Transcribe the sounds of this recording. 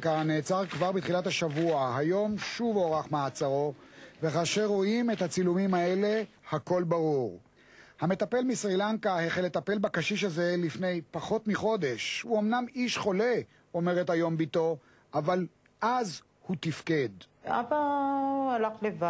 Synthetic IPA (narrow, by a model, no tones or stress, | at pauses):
kaneːt͡saʁkvaʁbit̪χilat̪haʃavuaɦajo̞mʃuvoʁaχmaat͡saʁo̞veχaːʃeʁoime̞t̪hat͡silumimae̞le̞hako̞lbaʁuʁ | hame̞t̪ape̞lmisʁilaŋkaheχelet̪ape̞lbakaʃiʃ̬aze̞lifne̞jpaχo̞tmiχo̞d̪e̞ʃhuo̞mnamiʃχo̞le̞ | ome̞ʁe̞thajo̞mbito̞ | ʔaval | ʔaz | hut̪ifke̞da̰baalaχleva